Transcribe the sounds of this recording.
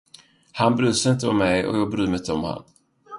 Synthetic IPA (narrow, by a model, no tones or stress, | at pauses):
hanbɾʉ̟ːsəɪnt̪əɔmːɛjɔ̰jɑːɡ̚bɾʉ̟ːmɪt̪ːəɔmha̰nː